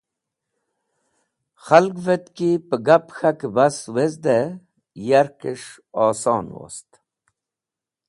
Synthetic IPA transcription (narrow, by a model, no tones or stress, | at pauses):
xalɡvet̪kipəɡapxakbɐswezd̪e | jaɾkeʂ | ɑːsɑːnwo̰st̪